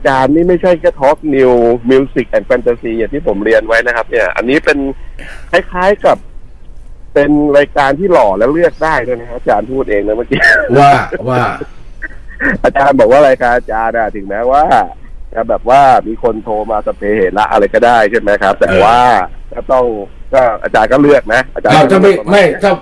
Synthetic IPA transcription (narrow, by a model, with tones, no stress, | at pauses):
ʔa˧t͡ɕaː˧nmiː˥˩ma˥˩jt͡ɕʰa˥˩jkɛ˥˩t̪ʰɔ˦˥k̚ni˧wmi˧wsi˨˩k̚ʔɛː˨˩n̚fɛ˧nt̪a˧si˧ja˨˩t̪ʰiː˥˩pʰo˩˦mɾi˧ənwa˦˥jna˦˥kʰa˦˥p̚ni˥˩ɐʔa̰˧nːiː˦˥pe˧nkʰa˦˥˩jkʰaː˦˥jka˨˩p̚ː | e˧nɾaː˧jkaː˧nt̪ʰiː˥˩lɔː˨˩lɛː˦˥wlɯ˥˩ək̚daː˥˩jd̪u˥˩˨jna˦˥kʰa˧˥˩t͡ɕaː˧npʰuː˥˩t̪̚ʔeː˧ŋna˦˥ma˥˩kiː˦˥a˧˥ | ʔaː˧t͡ɕaː˧nbɔː˨˩k̚waː˥˩ɾaː˧jkaː˧nʔaː˧t͡ɕaː˧nʔa˨˩t̪ʰɯ˩˦ŋmɛː˦˥waː˥˩ | ka˧˩bɛː˨˩p̚waː˥˩miː˧kʰo˧nt̪ʰoː˧maː˧sa˧˦pʰeː˨˦heː˩t̪̚la˦˥ʔa̰˧ɾa˧jkɔː˥˩daː˥˩jt͡ɕʰe˥˩nma˦˥jkʰa˦˥p̚t̪ɛ̰ː˨˩waː˥˩kɔː˥˩t̪ɔ˥˩ŋkɔː˥˩ʔa̰ː˧t͡ɕaː˧nkɔː˥˩lɯ˥˩ək̚na˦˥ʔa̰ː˧t͡ɕaː˧˨˦a˥˧ma˥˩˧ma˥˩jta˥˩